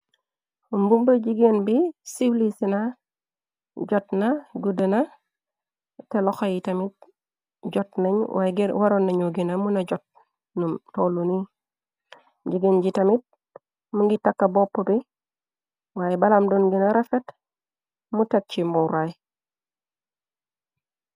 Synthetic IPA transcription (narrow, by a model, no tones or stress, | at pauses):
umbumbəɟiɡenbisiwlisina | ɟotnaɡudəna | teloxajitamit̚ | ɟotneɲwaɡwaɾonːaɲoɡinamunaɟot̚ | nutoluni | ɟiɡenɟitamit̚ | muŋɡitakːabopːobi | waːjebalamdonɡinaɾafet | mutat̚t͡ʃimoɾaj